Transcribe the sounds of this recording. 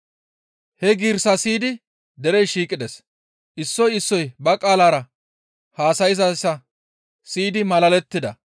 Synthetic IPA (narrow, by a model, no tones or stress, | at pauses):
hɛɡiːɾsɐsiːd̪ɪ | d̪ɛɾɛjʃiːkʼɪd̪ɛs | ʔɪsːɔjɪsːɔjbɐkʼaːlaːɾɐ | haːsɐjɪzɐsɐ | siːd̪ɪmɐlɐlɛt̪ːɪd̪ɐ̰